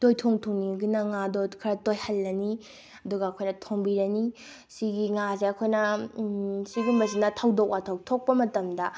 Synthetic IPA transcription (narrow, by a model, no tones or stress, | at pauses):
tojtʰoŋtʰoŋniɡinɐŋadokʰɐɾɐtojhɐlːɐni | ɐduɡɐːkʰojnɐtʰoŋbiɾɐni | siɡiŋazeɐkʰojnɐ | siɡumbɐzinɐtʰɐwdok̚ʔatʰawtʰok̚pɐmɐtɐmdɐ